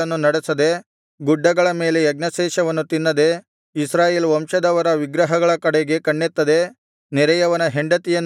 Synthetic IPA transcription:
ɐnːunɐɽesɐd̪e̞ | ɡuɖːɐɡɐɭɐme̞ːleɐɡnɐʃɛːʃɐʋɐnːut̪inːɐd̪e̞ | isɾaːjeːlʋɐmʂɐd̪ɐʋɐɾɐʋiɡɾɐɦɐɡɐɭɐkɐɽeɡe̞kɐɳːet̪ːɐd̪e | nɛɾɐjɐʋɐnɐɦeɳɖɐt̪ijɐnː

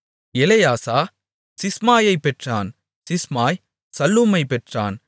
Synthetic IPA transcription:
ɛlɐjaːsaː | sɪsmaːjɐɪpːɛʈraːn | sɪsmaːj | sɐlːuːmɐɪpːɛʈra̰ːn

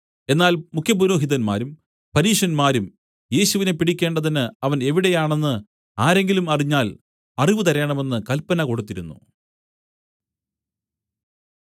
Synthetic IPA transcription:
e̞nːaːlmukʰjɐpuɾo̞ːɦiðɐnma̰ːɾum | pɐɾiːʂɐnmaːɾum | je̞ːɕuʋine̞piɽikʲːe̞ːɳɖɐðinɨɐʋɐne̞ʋiɽe̞jaːɳe̞nːɨ | aːɾe̞ŋɡilumɐriɲːaːl | ɐriʋɨt̪ɐɾeːɳɐme̞nːɨkɐlpːɐnɐko̞ɽut̪ːiɾunːṵ

